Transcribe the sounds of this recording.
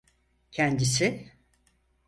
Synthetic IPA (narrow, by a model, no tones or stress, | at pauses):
cʰænd̪isɪ